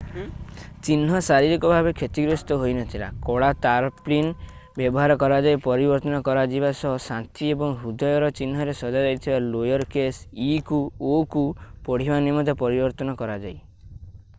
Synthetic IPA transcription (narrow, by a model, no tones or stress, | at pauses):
t͡ʃinɦɔsaɾiɾikɔbʱabekʰet̪iɡɾost̪ɔɦojnɔt̪ʰila̰kɔɽat̪aɾplin | bjɔbɔɦaɾɔkɔɾad͡ʒajpɔɾibɔɾt̪ɔnɔkɔɾad͡ʒibasɔɦɔsant̪ʰiebɔŋɦud̪ʱɔjɔɾɔt͡ʃinɦɔɾesɔd͡ʒad͡ʒajt̪ʰibalojɔɾkesikuokupɔɽ̤ianimɔd̪ʱepɔɾibɔɾt̪ɔnɔkɔɾad͡ʒaj